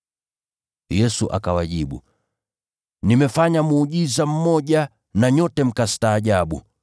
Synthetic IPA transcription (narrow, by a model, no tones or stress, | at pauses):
jɛsuʔa̰kawaʄiɓṵ | nimɛfaɲamuːʄizam̩mɔʄa | naɲɔtɛm̩kastaːʄaɓṵ